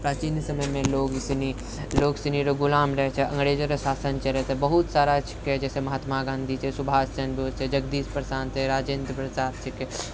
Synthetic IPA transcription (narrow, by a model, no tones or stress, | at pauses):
pɾaːt͡ʃinjsəməjmẽloːksini | loːɡsiniɾoɡʊlaːmɾəɦɛt͡ʃʰɛʔɐ̃ŋɡɾeːd͡ʒəɾəsaːsənt͡ʃʰɛɾɛsɛbəɦut̪saːɾat͡ʃʰi̥kɛd͡ʒɛːsemɐɦaːt̪maɡãːnd̪ʱit͡ʃʰɛsubʱaːst͡ʃənbot͡ʃʰɛd͡ʒɐɡd̪iːspɾsaːnt̪ʰɛɾaːd͡ʒend̪pɾət͡ʃaːɾt͡ʃʰike